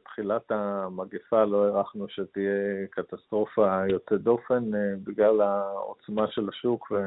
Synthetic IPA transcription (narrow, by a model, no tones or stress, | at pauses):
t̪χilat̪amaɡifalo̞eʁaχnuʃet̪ijekat̪ast̪ʁo̞fajo̞t͡sed̪o̞fe̞nbiɡlalao̰t͡smaʃe̞laʃukve